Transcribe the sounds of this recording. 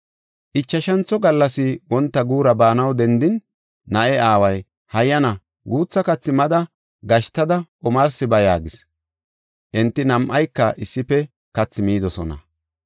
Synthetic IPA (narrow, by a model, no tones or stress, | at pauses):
ʔɪt͡ʃːɐʃɐnt͡sːɔɡɐlːɐsɪwɔnt̪ːɐɡuːɾɐbaːnɐwd̪ɛnd̪ɪnː | ɐʔɛaːwɐj | hɐjːɐnɐ | ɡuːt͡sːɐkɐt͡sːɪmɐd̪ɐ | ɡɐʃt̪ːɐd̪ɐʔɔmɐɾsɪbɐjaːɡɪs | ʔɪnt̪ːɪnɐmʔɐjkːɐʔɪsːɪpːɛ | kɐt͡sːɪmiːd̪ɔsɔ̰nɐ̰